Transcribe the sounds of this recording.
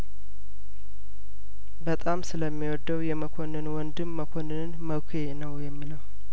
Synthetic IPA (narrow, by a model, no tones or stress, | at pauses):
bət̪ʼamsɨləmːiwɔd̪ːəwjɛməkʰonɨnwɔnd̪ɨmːəkʷʰonɨnnməkʰenəwjɛmːiləw